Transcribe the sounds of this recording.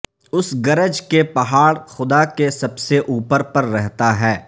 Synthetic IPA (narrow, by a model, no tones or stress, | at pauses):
ʊsɡɐɾəd͡ʒkepɐɦaːɽxʊd̪akesɐbseʔuːpəɾpɐɾːɛɦt̪aɦɛː